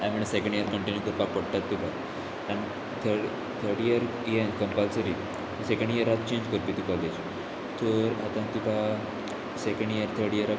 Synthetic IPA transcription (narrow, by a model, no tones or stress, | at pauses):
ɛ̃miɳsekə̃ɳɖjəɾkə̃ɳʈinjukəɾpak̚pəɽt̪at̪ːika | ɛ̃ɳ | t̪ʰə | t̪ʰəɾɽiəɾ | ijenkə̃mpalsəɾi | sekə̃ɳɖiəɾat̪̚t͡ɕẽɲd͡ʑkəɾpit̪ikɔled͡ʑ | t̪ʰəɾat̪ãt̪ika | sekə̃ɳɖiəɾt̪ʰəɾɽiəɾa